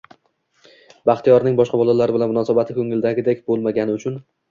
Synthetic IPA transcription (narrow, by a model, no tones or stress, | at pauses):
baχt̪ijɒɾnɪŋbɒʃqɑbɒlˠalaɾɪbɪlanmʊnɒsabat̪ʰɪkʰʲɵŋɪld̪aɡʲɪd̪ekʲbolˠmaɡʲanɪʊt͡ʃʰʊn